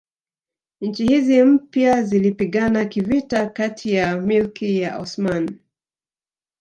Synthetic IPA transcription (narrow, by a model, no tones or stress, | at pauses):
ɲ̩t͡ʃihizim̩pjazilipiɠanakivitakatʰijamilkijaʔɔ̰sman